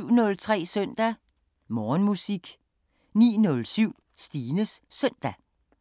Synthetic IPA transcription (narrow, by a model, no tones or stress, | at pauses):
ʊ̰nɔ̽lt͡sʰʁɛ̰ːsœn̰d̥æ | mɒːnmusiɡ̥ | nḭːnɔ̽lsyʊ̰ | sd̥iːnəsːœn̰d̥æ